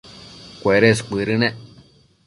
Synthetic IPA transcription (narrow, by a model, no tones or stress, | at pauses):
kʷeɾesk͡pɨɾɨnẽ